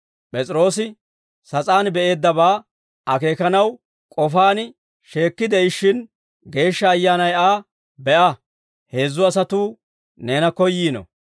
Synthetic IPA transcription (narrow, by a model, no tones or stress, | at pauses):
pʼɛt͡sʼɪɾo̞ːsɪ | sɐt͡sʼaːnbɛʔe̞ːd̪ːɐβaː | ɐke̞ːkɐnɐw | kʼɔfaːnɪ | ʃe̞ːkːɪd̪ɛɪʃːɪn | ɡe̞ːʃːɐːjːaːnɐjaː | bɛʔɐ | he̞ːzːʊɐsɐt̪uː | ne̞ːnɐkɔjːiːnɔ̰